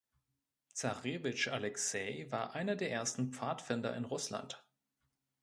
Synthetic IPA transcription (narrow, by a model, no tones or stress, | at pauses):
t͡saʁeːvɪt͡ʃalɛksɛɪvaːɐʔaɪnɐdeːɐʔeɐstn̩pp͡faɐtfɛndɐ̰ɪnʁʊsla̰nt